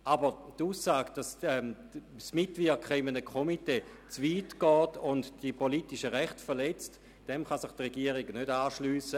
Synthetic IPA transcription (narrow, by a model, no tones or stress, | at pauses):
ʔabətuːsaːɡ̥d̥asɛm | smɪtvɪɐkχəɪmənəkʰχomiteː | t͡sviːtɡ̥ɔːtʊndd̥ipolitiʃəʁɛχtfɛɐlɛt͡st | d̥ɛmχasɪχtʁeɡiəʁiɡnødaːʃlyːsə